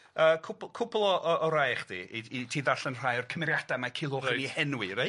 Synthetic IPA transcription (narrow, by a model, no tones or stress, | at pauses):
əːkʰʊpˠkʰʊplˠɔʔɔʔɔɾajχd̥ḭiitʰiːðaɬənr̥ajɔrkʰəmɛɾjadamakʰɪlˠoχnihɛnwiɾe